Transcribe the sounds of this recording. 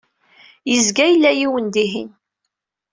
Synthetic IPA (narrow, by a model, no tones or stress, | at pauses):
jəzɡæjəlːæjiwənd̪iɦḭn